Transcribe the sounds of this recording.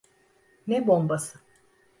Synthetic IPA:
nɛbombasɯ̥

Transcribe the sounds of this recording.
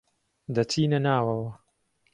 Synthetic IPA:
d̪ɐt͡sʰiːnɐnaːwɐwɐ

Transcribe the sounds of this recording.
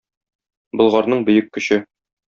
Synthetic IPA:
bɤ̆lˠʁɑɾnɤɴbɵ̆jɘkːɵ̆ɕɘ

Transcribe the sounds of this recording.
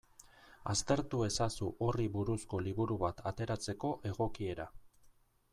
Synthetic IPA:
a̰st̪e̞ɾt̪ue̞sasuʔo̞riβuɾusko̞liβuɾuβat̪ʰat̪e̞ɾat͡se̞ko̞ʔe̞ɣo̞kie̞ɾa

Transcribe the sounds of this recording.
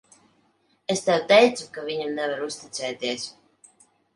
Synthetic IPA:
est̪ɛwt̪ɛjt̪sukavʲiɲamnɛvaɾust̪it̪sɛːt̪iɛs

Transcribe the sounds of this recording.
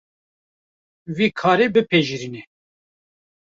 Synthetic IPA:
viːkʰɑːɾebɨpʰeʒiɾinɛ

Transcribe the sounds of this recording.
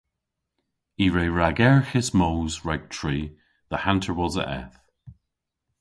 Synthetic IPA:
iːɹeːɹaɡɛɹxɪsmoːzɹaɡ̚tʰɹ̥iː | ðəhantʰəɹwɔzə̰ʔɛ̰θ

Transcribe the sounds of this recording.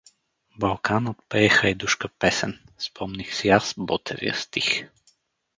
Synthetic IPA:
bɐlˠkanət̪̚pɛɛxəjd̪uʃkəpɛsɛnspʰɔmnixsiasbɔt̪ʰɛ̰vḭə̰st̪ix

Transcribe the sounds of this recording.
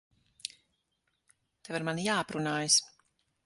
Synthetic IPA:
t̪ɛvaɾmanjaːpɾunaːjəs

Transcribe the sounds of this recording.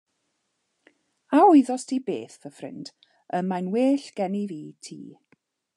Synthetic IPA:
aʊɨðɔstʰibḛːθvəfrɪ̰nd̥ | əmajnweːɬɡ̥ɛniviːtʰḭː

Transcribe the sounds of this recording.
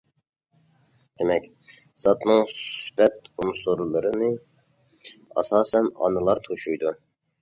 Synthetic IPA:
d̪̥ɪmɛkʲ | z̥ɑt̪nɨŋsypɛt̪unsuɾlˠɨɾɨnɨ | ɑ̰sɑːsɛnɑ̰nɨlˠɑɾt̪ʰoʃujd̪u

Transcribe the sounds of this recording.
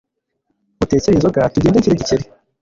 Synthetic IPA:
utet͡seiːnzoɡatuɟeːndeciɾeɟiceɾi

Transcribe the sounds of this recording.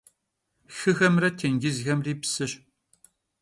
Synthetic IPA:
xɨɣɐmrɐtʰeŋɡɪzɣɐmriːpsɨɕ

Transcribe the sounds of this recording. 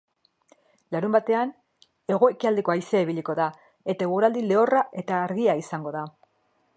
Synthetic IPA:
laɾumbat̪e̞an | e̞ɣ̞o̞e̞kiald̪e̞ko̞ajseiβ̞iliko̞ða | e̞t̪aeɣuɾald̪ile̞o̞raʔe̞t̪aːɾɣiaisaŋɡo̞ða

